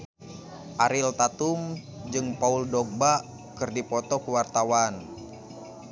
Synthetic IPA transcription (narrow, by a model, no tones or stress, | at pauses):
ʔaɾilt̪at̪um | d͡ʒɨŋpauldɔɡ̚ba | kɨrdipɔt̪ɔkuwart̪awan